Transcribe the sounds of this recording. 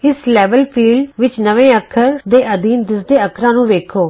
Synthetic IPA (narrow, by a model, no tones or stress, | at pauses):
ɪslɛːbəlpʰiːɖʋɪt͡ʃnəʋẽːəkʰəɾd̪eːʔəd̪iːnd̪ɪsd̪eːəkʰɾãːnũːʋeːkʰoː